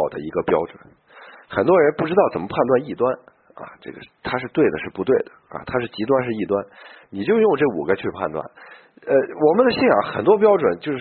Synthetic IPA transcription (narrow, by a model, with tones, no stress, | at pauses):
ʊd̪ə̰˩i˧˥ɡə˧pjɑ˥ʊʈ͡ʂwə̰˨˩˦n | xə˨˩nt̪wɔ˥ɻə˧˥npu˥˩ʈ͡ʂɻ̩˥t̪ɑ˥˩ʊt͡sə˨˩mə˦˥pʰa˥˧nt̪wa˥˧ni˥˩t̪wa˥n | ɐ̰˧˩ʈ͡ʂɤ̰˥˩ɡə̰˩t̪ʰa˥ʂɻ̩˥˧t̪we˥˩ɪd̪ə˩ʂɻ̩˥˩pu˧˥t̪we˥˩ɪd̪ə˩ɐ̰˨˩t̪ʰa˥ʂɻ̩˥˩t͡ɕi˧˥t̪wa˥nʂɻ̩˥˧i˥˩t̪wa˥nni˨˩t͡ɕjo˥˧ʊjʊ˥˧ŋʈ͡ʂɤ˥˩ṵ˨˩ɡə˦t͡ɕʰy˥˧pʰa̰˥˧nt̪wa̰˥˩n | ə˧wɔ˨˩mə˦nd̪ə˧ɕi˥˩njɑ̰˨˧˩ŋxə̰˨˩nt̪wɔ˥p̬jɑ˥ʊʈ͡ʂwə˨˩nt͡ɕjo˥˧ʊʂ